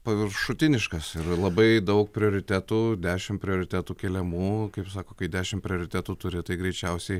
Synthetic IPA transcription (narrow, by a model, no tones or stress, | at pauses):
pɐʋʲɪɾʃʊt̪ʲɪnʲɪʃkɐsɪɾlˠɐbɐɪd̪ɐʊk̚pʲɾʲɪoːɾʲɪt̪ʲæːt̪uːd̪ʲæːʃʲɪmpʲɾʲɪoːɾʲɪt̪ʲæːt̪uːkʲɛlʲɛmuːkɐɪpsɑːkoːkɐɪd̪ʲæːʃʲɪmpʲɾʲɪoːɾʲɪt̪ʲæːt̪uːt̪ʊɾʲɪt̪ɐɪɡɾʲɛɪt͡ʃʲɛʊsʲɛɪ